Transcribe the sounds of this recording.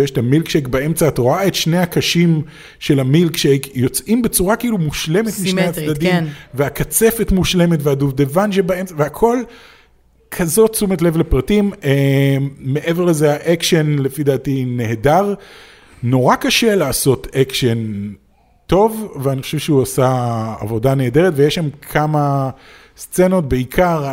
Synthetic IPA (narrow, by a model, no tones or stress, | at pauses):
jeʃtamilkʃekbae̞mt͡saːtoʁaet̪ʃne̞jakaʃim | ʃe̞lamilkʃekjo̞t͡sʔimbet͡suʁakiiːlumuʃlemet̪miʃnejad̪adiimnveakat͡se̞fetmuʃle̞metveaduvdevanʃebae̞mt͡saveakʰo̞l | kʰazo̞tt͡sumetle̞vlepʁatimeː | e̞ʔe̞veʁlezeaʔekʃenle̞fidaːtine̞hedaʁ | no̞ʁakaʃe̞laːso̞tekʃen | to̞vveaniχo̥ʃevʃeuasa̰ːvo̞dane̞ːde̞ʁetvejeʃamkʰama | st͡se̞no̞t̚be̞ikʰaʁ